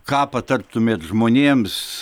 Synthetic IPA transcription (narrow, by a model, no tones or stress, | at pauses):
kɑːpɐt̪ɐrt̪ʊmʲeːt̪ʒmoːnʲeːms